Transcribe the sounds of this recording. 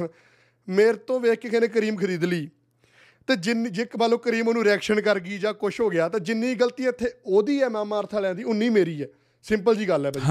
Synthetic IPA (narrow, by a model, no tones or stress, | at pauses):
meːɾt̪õːʋeːkːekʰenẽːk̬əɾiːmkʰəɾiːd̪liː | t̪eːd͡ʒɪnd͡ʒɪkbaːlõːkəɾiːmoːnũːɾɛːkʃənkəɾɡiːd͡ʒãːkʊʃɦoːɡɪjaːt̪ẽːd͡ʒɪnːĩːɡəlt̪ĩːɪt̪ʰːeːoːd̪iːɛːmɛ̃ːmaːɾt̪ʰaːlɛ̃ːnd̪iːʊnːiːmeːɾiːɛː | sɪ̃mpəld͡ʒiːɡəlɦɛːpaːd͡ʒ